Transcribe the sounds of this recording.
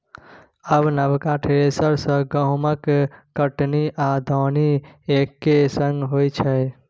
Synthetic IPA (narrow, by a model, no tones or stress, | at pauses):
əbnəbkaʈʰesəɾsə̃ɡəɦməkː | əʈniʔad̪ʱɔːniekːesə̃ŋɡɦojt͡ʃʰəj